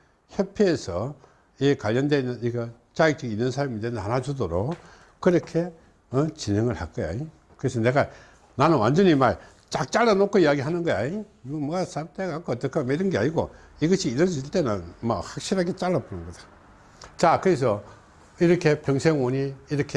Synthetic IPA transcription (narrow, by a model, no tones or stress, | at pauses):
hjepʰeːsʰʌ | ikwaʎːʌndenɯniɡʌ | t͡ɕajik̚t͡ɕ͈ʌɡinːɯnsʰaɭmidwenɦanɦad͡ʑudoɾok | kɯɾʌkʰe̞ | ʌt͡ɕineŋɯɭhak͈ʌja̰i | kɯɾes̬ʰʌne̞ɡa | nanɯnwa̰nd͡ʑʌɲimaɭ | t͡ɕak̚t͡ɕ͈aɭːanokʰoijaɡiɦanɯnɡʌja̰mʌɡasap̚t͈eɡakʰːoʌt̪͈ʌkʰaɡmeiɾɯnɡea̰ɲiɡo̰ | iɡʌɕʰiːɾʌd͡ʑiiɭt͈e̞nɯnmahak̚ɕ͈iɾɦaɡet͡ɕaɭːaponɯnɡʌd͡ʑḁ | t͡ɕakɯɾes̬ʰʌ | iɾʌkʰe̞pjʌŋsʰeŋoɲiːɾʌkʰe